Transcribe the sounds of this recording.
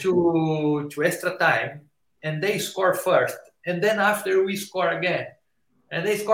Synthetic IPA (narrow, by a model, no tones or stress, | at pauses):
t̪u | t̪ʰuɛst̪ɾat̪ãj̃m | ɛ̃nd̪ejskɔɹfɛɹst̪̚ | ɛ̃nd̪ɛ̃naft̪ɛɹwiskɔɹɐɡɛ̃n | ʔɛ̃nd̪ejskɔ